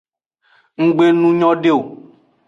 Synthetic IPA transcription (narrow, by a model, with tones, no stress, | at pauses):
ŋ̩˦ɡ͡be˦nũ˦ɲɔ̃˦ɖe˦o˨